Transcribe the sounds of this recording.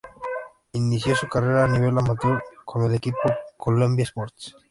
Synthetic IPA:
iniθjosukareɾaːniβ̞elamat̪oɾkʰomelekipokʰolombjaspoɾt̪s

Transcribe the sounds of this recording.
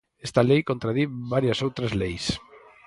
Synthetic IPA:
est̪ɐlejkõnt̪ɾaðiβaɾjɐsowt̪ɾɐzlejs

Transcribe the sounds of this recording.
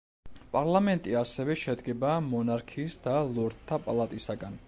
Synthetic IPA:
pʼaɾlˠamɛnt̪ʼiasɛvɛʃɛd̪ɡɛbaːmɔnaɾkʰiːsd̪alˠɔɾt̪ʰːapʼalˠat̪ʼisaɡan

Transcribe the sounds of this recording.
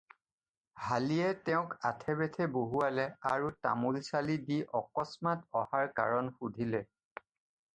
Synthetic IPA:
halijɛtɛʊ̃katʰɛbɛtʰɛboɦualɛaɹuta̰mulsalidiʔɔkɔsmatɔhaɹka̰ɹɔnxudʱilɛ

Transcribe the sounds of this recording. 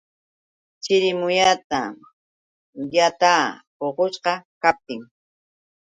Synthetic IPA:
t͡ʃɪɾɪmʊjat̪a̰ | jat̪aːpoqoʃqɑkap̚t̪ɪŋ

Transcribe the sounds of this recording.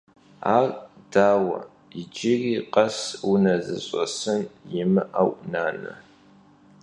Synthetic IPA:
aːr | d̥aːwɐ̰ | ɪd͡ʒɪriːqʼɐsunɐzɨɕʼɐsɨnjɪmɨʔɐwʔʷʼnaːnɐ̰

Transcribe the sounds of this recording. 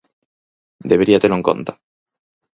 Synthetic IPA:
d̪eβeɾiat̪eloeŋko̰nt̪a

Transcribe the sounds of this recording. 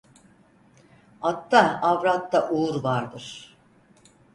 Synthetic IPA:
at̪ːaavɾat̪ːaʔuuɾvaɾd̪ɯɾ̥

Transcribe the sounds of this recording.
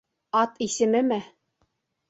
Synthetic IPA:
ɑt̪isɘ̆mɘmɘ

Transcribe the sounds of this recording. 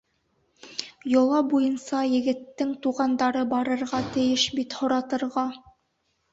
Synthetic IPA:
jŏlˠɑbujɤnsɑjɘ̆ɡɘ̆t̪ːɘŋt̪uʁɑnd̪ɑɾɤbɑɾɤ̆ɾʁɑt̪ɘ̆jɘʃbit̪hŏɾɑt̪ɤ̆ɾʁɑ

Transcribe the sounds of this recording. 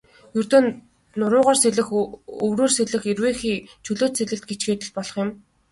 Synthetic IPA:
jɵrt̪oːn | nʊɾʊːʁɔːrseɮɘ̆xɵwroːrseɮɘ̆xerweːxiːt͡ɕʰɵɮoːt̪seɮɘ̆t̪̚ɡet͡ɕɡeːt̪ɘ̆ɮpɔɮɞ̆χjʊ̆m

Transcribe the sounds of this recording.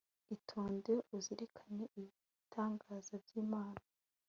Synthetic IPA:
itʰoːndeuziɾekʰaɲeʔiβ | itʰaːŋɡaːzabɟiːmaːna

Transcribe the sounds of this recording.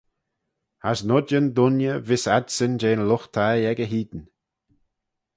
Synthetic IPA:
hasnʊdənd̪ʊnjəvɪsadsənd͡ʒeːnlʊxt̪ʰajɛɡəɦiːd̪n

